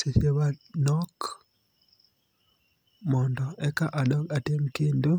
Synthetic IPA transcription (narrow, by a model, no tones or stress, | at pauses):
seseβanɔk | mɔndɔʔɛkaʔaɗɔkatemkendo